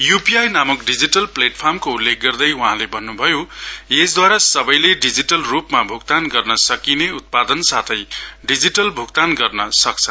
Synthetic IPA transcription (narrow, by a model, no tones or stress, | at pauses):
jupiajnamukɖid͡ziʈʌlpleʈpʰarmkoulːek̚ɡʌrd̪ʌjwuɦãlebʱʌnːubʱʌjoesd̪waɾasʌbʌjleɖid͡ziʈʌlrupmabʱuk̚t̪anɡʌrnʌsʌkineut̪̚pad̪ʌnsat̪ʰʌjɖid͡ziʈʌlbʱukt̪anɡʌrnʌsʌk̚t͡sʰʌ